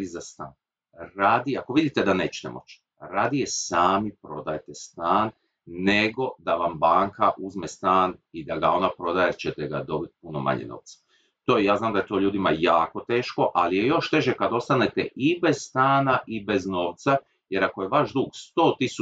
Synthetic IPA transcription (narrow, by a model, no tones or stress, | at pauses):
izast̪a̰ːn | ɾaːd̪iako̞ʋid̪it̪e̞d̪anet͡ɕe̥t̪e̞̰mʔo̞̰t͡ɕ | ɾaːd̪ijesaːmipɾo̞d̪ajet̪est̪aːnː | e̞ɡo̞d̪aʋambaːŋkaʔuzmest̪aːnid̪aɡa̰o̞napɾo̞d̪ajet͡ʃet̪eɡa̰d̪o̞bit̪̚puno̞ma̰ɲḛno̰ʋt̪sḁ | t̪ojaːznaːmd̪ajet̪o̞ʎuːd̪ima̰jaːko̞t̪e̞ːʃko̞ʔalije̞jo̞ʃt̪e̞ʒekad̪o̞st̪ane̞t̪ḛʔibe̞z̥st̪aːnaʔibe̞zno̞ːʋt̪sa | je̞ɾakojeʋaʒd̪uːɡst̪o̞ːt̪isu